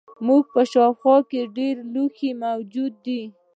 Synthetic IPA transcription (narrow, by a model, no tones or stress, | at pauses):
muɡ̚pəʃɑxwɑkeɖeɾluximawd͡ʒud̪ːi